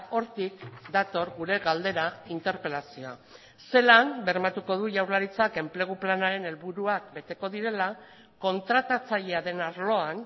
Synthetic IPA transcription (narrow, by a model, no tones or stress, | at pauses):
o̞ɾt̪ikd̪at̪o̞ɾɣuɾe̞ɣald̪e̞ɾaint̪e̞ɾpe̞lasioa̰ | se̞lambe̞ɾmat̪uko̞ð̞uʝawɾlaɾit͡sake̞mple̞ɣ̞uplanaɾe̞ne̞lβuɾuak̚be̞t̪e̞ko̞ð̞iɾe̞la | ko̞nt̪ɾat̪at͡saʎe̞aðe̞naɾlo̞an